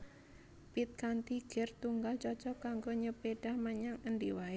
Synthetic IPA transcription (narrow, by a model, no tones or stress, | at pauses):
pit̪̚kant̪iɡ̥ɛrt̪uŋɡalt͡ʃɔt͡ʃɔkaŋɡoɲəpeɖ̥ahməɲaŋəndiwae